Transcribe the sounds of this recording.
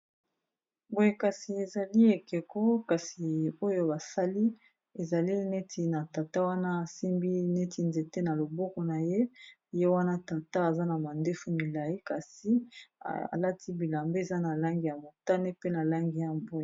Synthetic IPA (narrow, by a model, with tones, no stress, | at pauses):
bo˦je˦ka˨si˨e˨za˨li˦e˨ke˨ko˦ka˨si˨o˦jo˦ba˨sa˦li˦ | e˨za˨li˦ne˦tʰi˨na˨ta˨ta˦wa˦na˦a˨si˦mbi˦ne˦ti˨nze˨te˦na˨lo˨bɔ˦kɔ˨na˨je˦ | je˦wa˦na˦ta˨ta˦a˨za˦na˨ma˨nde˦fu˦mi˨la˨ji˦ka˨si˦ | a̰˨la˦tʰi˦bi˨la˨mbe˦e˨za˦na˨la˦ŋɡi˨ja˨mo˨ta˦ne˦pe˦na˨la˦ŋɡi˨ja˨bo˦je˨